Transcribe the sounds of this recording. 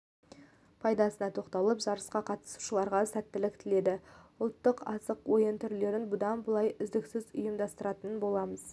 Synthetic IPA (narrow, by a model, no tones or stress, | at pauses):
pʰɑjd̪ɑsənɑt̪ʰo̞qt̪ɑlˠəpʒɑɾəsqɑqʰɑt̪ə̥su̥ʃəlˠɑɾʁɑsæt̪ːɪlɪkt̪ʰɪle̞d̪ɪʊlˠt̪ːəqɑsəqwo̞jənt̪ʰʏɾle̞ɾɪnbʊd̪ɑnbʊlˠɑjʏzd̪ɪksɪzʊjəmd̪ɑst̪əɾɑt̪ənənbo̞lˠɑməz